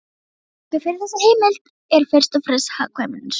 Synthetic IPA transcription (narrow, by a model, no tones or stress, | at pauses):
tɪfɪɾɪɾθɛsːahejmɪlt̪ | ɛɾ̥fɪr̥st̪ɔfɾɛsha̰kʰvɛmɪns